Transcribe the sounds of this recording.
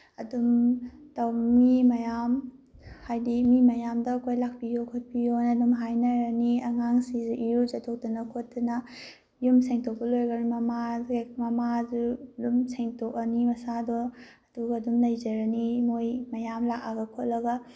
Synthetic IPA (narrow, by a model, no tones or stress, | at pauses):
ɐdumtɐwmimɐjamhajdimimɐjamdɐːkʰojlak̚pijokʰot̚pijonɐdumɦajnɐɾɐniɐŋaŋsizuʔijuzɐtʰok̚tunɐkʰot̚dunɐ | jumseŋtʰok̚bɐlojɡɐɾmɐmaɡemɐmazulumseŋtʰokɐnimɐsadɔɐduɡɐːdumlɐjzɐɾɐnimojmɐjamlak̚aɡɐkʰot̚lɐɡɐ